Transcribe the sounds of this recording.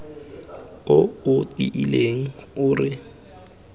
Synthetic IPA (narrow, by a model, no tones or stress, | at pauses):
ʊʊtʼḭʔileŋ̩ʊːrɪ